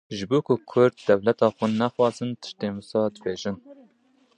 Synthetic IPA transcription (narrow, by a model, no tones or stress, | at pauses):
ʒɨbuːkʊkʰʊɾd̪̚d̪ɛvlɛt̪ɑːxʊnnɛxwɑːzɨnt̪ʰɨ̥ʃt̪eːmusɑːd̪ɨbeːʒɨn